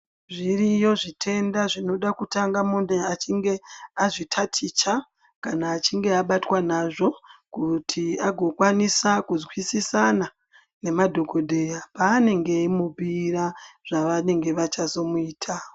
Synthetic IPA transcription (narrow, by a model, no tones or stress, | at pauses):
ʐirijo̞ʐitʰe̞ndaʐino̞ɗakutaŋɡamundeat͡ʃiŋɡe̞aʐitʰatʰit͡ʃa | kanaːt͡ʃiŋɡe̞aɓatwanaʐo̞kutʰiaɡʱo̞kwanisakuzwisisana | ne̞madʱo̞ɡʱo̞dʱe̞japaːne̞ŋɡe̞imupiɾaʐ̥aʋane̞ŋɡe̞ʋat͡ʃazo̞muiːtʰa